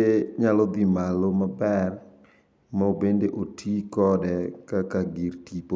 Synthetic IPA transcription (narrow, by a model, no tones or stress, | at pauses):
eɲalɔd̪imalomabɛr | maobendeʔotʰikɔdɛkakaɡirtipo